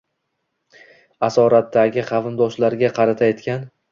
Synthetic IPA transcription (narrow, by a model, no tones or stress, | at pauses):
asɒɾat̪ːaɡʲɪqʰɑvɪnd̪ɒʃlaɾɡʲaqʰɑɾat̪ʰajet̪kʲʰan